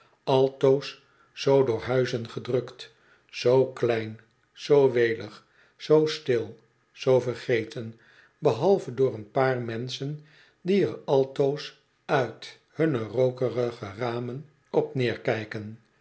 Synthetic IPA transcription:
ɑlˠtowsː | owdʊːɹɦœɥzənχədrɵkt | z̥owklɛjn | sowʋejləχ | sowstɪlˠ | z̥owvərχejtən | bəɦɑlˠvədʊːɹənpaːɹmɛnsən | diəɹɑlˠtows | œɥt | hɵnərowkərəχəraːmən | ɔpnɪːɹkɛjkən

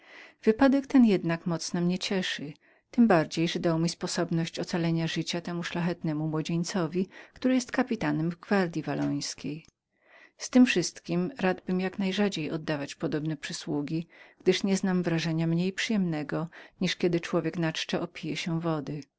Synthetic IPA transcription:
v̥ɘpad̪ɛkt̪ɛnjɛd̪nakmɔt̪snɔmɲɛt͡ɕɛʂɘ | t̪ɘmbaɾd͡ʑejʐɛd̪awmʲispɔsɔbnɔɕt͡ɕɔt̪salɛɲaʐɘt͡ɕat̪ɛmuʂlaxɛt̪nɛmumwɔd͡ʑeɲt̪sɔvʲikt̪uɾɪjɛst̪̚kapʲit̪anɛmvɡvaɾd̪ʲjivalɔj̃skʲej | st̪ɘmfʂɘst̪kʲimɾad̪bɘmjaknajʐad͡ʑejɔd̪ːavat͡ɕpɔd̪ɔbnɛpʂɘswuɡʲiɡ̥d̪ɘʂɲɛznamvɾaʐɛɲamɲejpʂɘjɛmnɛɡɔɲiʂkʲɛd̪ɘt͡ʂwɔvʲjɛknat͡ʂt͡ʂɛʔɔpʲijɛɕɛvɔd̪ɘ

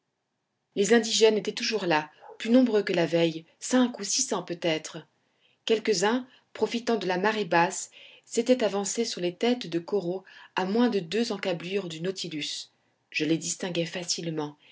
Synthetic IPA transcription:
lezɛ̃d̪iʒɛnet̪ɛt̪uʒuʁlaplynɔ̃bʁøkəlavɛj | sɛ̃kusisɑ̃pøt̪ɛt̪χə | kʲɛlkəzɛ̃ | pχɔfit̪ɑ̃d̪əlamaʁebasː | et̪ɛt̪avɑ̃sesyʁlet̪ɛt̪d̪əkɔʁoamwɛ̃d̪əd̪øzɑ̃kablyʁd̪ynot̪ʰilys | ʒ̥əled̪ist̪ɛ̃ɡʲɛfasilmɑ̃

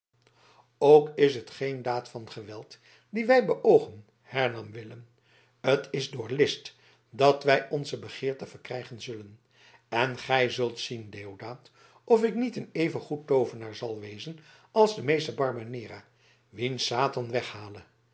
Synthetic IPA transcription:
owkɪsɦətχejndaːtfɑnχəʋɛlˠt | diʋɛjbəʔowχən | hɛɹnɑmʋɪləm | ətɪzdʊːɹlɪst | dɑtʋɛjɔnzəbəχɪːɹtəvəɹkrɛjχənzɵlən | ɛnχɛjzɵlˠtsindeːowdaːt | ʔɔfɪknitənejvənχutːowvənaːɹzɑlˠʋejzən | ɑlˠzdəmejstəbɑɹbanɪːra | ʋinsaːtɑnʋɛχhaːlə

